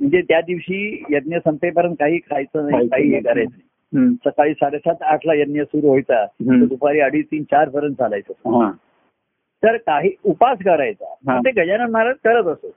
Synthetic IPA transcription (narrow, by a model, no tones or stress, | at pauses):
m̤əɳd͡zet̪jad̪iʋɕiːjəd̪̚njəsəmpep̬əɾənt̪̚kaɦiːkʰajt͡sənaɦikaɦiːekəɾajt͡snai | səkaɭiːsaɾəɕat̪aʈʰlajət̪njəsuɾuɦojt͡sat̪əd̪upaɾiːəɽiːt̪iːnt͡ɕaɾfəɾənd͡zʱalajt͡səɦa | t̪əɾkaɦiːupas̬kəɾajt͡sa̰ət̪eɡʱəd͡ʑanət̪maɾət̪̚kəɾət̪əsə